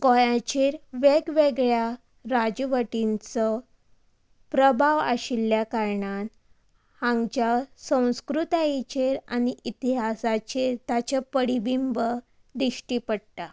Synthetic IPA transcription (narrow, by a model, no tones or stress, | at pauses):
kɔjãt͡ɕeɾʋeɡʋeɡɭja | ɾad͡ʑʋəʈint͡sɔ | pɾəbʱaʋa̰ɕilːjakaɾɳan | hãŋɡt͡ɕasə̃w̃skɾut̪ait͡ɕeɾaniʔit̪iɦasat͡ɕiɾt̪at͡ɕapəɽibimbə | d̪iɕʈipəɽʈ̪a